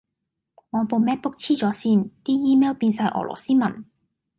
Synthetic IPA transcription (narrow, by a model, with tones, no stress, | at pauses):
ŋɔː˨˧po˧wmɛː˥t̚pʊ˥k̚t͡sʰiː˥t͡sɔː˨˧˥siː˥nt̪iː˥jiː˥mɛː˥wpiː˧nsɐ˧jʔɔ̰ː˨˩lɔ̰ː˨˩siː˥mɐ̰˨˩n